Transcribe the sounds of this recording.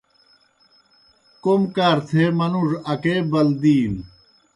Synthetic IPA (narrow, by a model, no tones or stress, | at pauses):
komkaːɾt̪ʰemɐnuʐɐkeːbɐld̪iːn